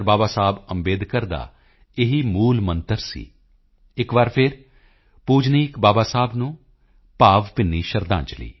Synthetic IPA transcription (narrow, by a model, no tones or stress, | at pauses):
ɾbaːbaːsaːbəmbeːd̪kəɾd̪a̰ː | ɪɦiːmuːlmənt̪əɾsḭː | ɪkʋaːɾpʰɪɾ | puːd͡ʒniːkbaːbaːsaːbnũː | paːʋpɪnːiːʃəɾd̪ã̰ːnt͡ʃlḭː